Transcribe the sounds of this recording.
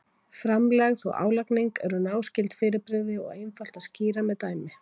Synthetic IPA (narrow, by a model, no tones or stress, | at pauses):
fɾamlɛɣðɔ̰ɣa̰ːwlakniŋkɛɾʏnaːwscɪlt̪fɪːɾɪpɾɪðɪɔ̰ɣejnfal̥t̪ḁsciːɾamɛðt̪aːjmɪ